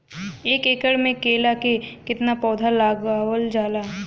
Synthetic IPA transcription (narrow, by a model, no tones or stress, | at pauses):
eːkeːkəɽmẽkeːlakekɪt̪napɔːd̪ʱalaːɡaːwəld͡ʒaːlaː